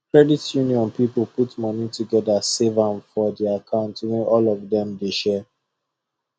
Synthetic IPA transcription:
kɹɛditʰjuniɔ̃npipl̩putmɔnituɡɛdasevãnfɔdeakʰãʊ̃ntwɛ̃nʔɔlɔvdɛ̃mdeʃɛ

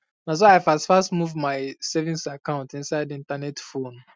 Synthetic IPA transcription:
nas̬oaɪfastfastmuvmaɪsɛvĩnsakãʊ̃ntĩnsaɪdiĩntanɛtfõn

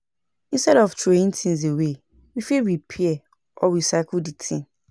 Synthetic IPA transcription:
ĩnstɛɾɔftʰɹoĩntʰĩnzewe | wifewipʰiɛ | ʔɔwisakulditʰĩn

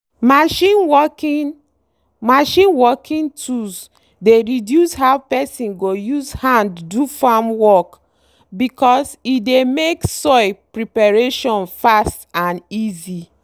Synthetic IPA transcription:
maʃinwɔki | maʃĩnwɔkʰĩntus | deɹidjushaʊpɛsĩnɡojuzhãndːufamwɔk | bikʰɔsidemeksɔɪpɹipaɹeʃɔ̃nfastãnizi

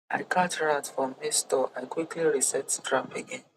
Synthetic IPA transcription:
a̰ɪkʰatɹaʊtfɹɔ̃mːistɔʔaɪkwikliɹisɛtdɹapeɡẽn

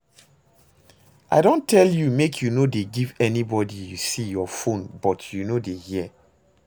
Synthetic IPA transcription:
ʔa̰ɪdõntʰɛljumekʰjunodeɡivɛnibɔdijusijɔfõnbɔtʰjunodehiɛ

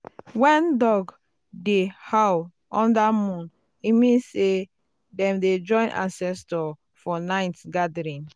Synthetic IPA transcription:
wɛ̃ndɔɡ | dehaw | ɔ̃ndamũn | imĩnse | dɛ̃mded͡ʒɔ̃ɪ̃nʔã̰nsɛstɔ | fɔnaɪtɡadɹĩn

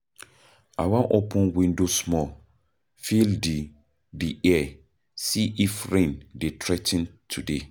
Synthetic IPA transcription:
awãʔopʰũnwĩndosmɔ | fildi | diɛ | siʔifɹẽndetʰɾɛtĩntʰude

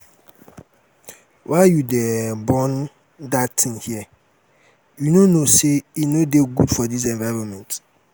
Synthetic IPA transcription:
wʔaɪjudebɔ̃n | datʰĩnhiɛ | junonoseinodeɡudfɔdis̬ɛ̃nvaɹɔ̃nmɛ̃nt

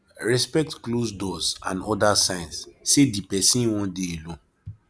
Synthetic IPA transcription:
ɹɛspɛk̚tklosdɔsã̰nɔdasãɪ̃nssedipɛsĩnwɔ̃ndeelɔ̃

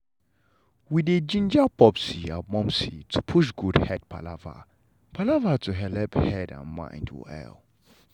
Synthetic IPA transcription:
wided͡ʒĩnd͡ʒapʰɔpsia̰mɔ̃msitʰupʰuʃ̬ɡudhɛd̚pʰa̰lava̰ | pʰalavatʰuɦɛlɛphɛdã̰nmã̰ɪ̃ndwɪ̰lɛ̰l

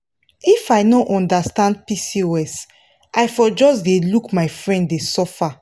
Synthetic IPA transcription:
ifaɪnɔʔɔ̃ndastãnd̚pisiwɛs | ʔajfɔd͡ʒɔs̬delukmaɪfɹɛ̃nddesɔfa

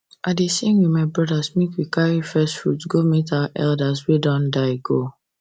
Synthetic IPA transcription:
ʔadesẽmwimaɪbɹɔdasmekwikaɹifɛstfɹutɡometaaʔɛldaswedɔ̃ndaɪɡo

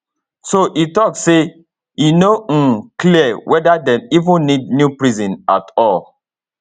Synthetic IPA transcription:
soʔitɔkse | jinõkliəwʔɛdadɛ̃nivũnnidnjupɹizĩna̰tɔl

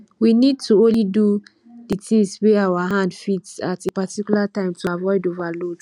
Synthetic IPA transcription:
winid̚tʰuõnlidu | ditĩŋsweawaɦãndfitsatepatikjulatãɪ̃mtʰuavɔɪdovalod

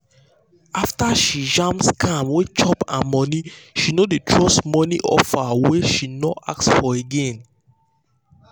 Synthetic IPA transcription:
aftaʃid͡ʒãmpskʰãmwet͡ʃɔpãmɔniʃinodetʰɹɔsmɔniʔɔ̰faweʃinɔʔa̰k̚sfɔeɡẽn

